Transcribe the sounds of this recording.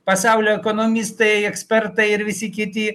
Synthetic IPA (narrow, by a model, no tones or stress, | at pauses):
pɐsɑˑʊlʲoːɛkonomʲɪst̪ɐɪɛksʲpʲɛɾt̪ɐɪɪɾʋʲɪsʲɪkʲɪt̪ʲɪ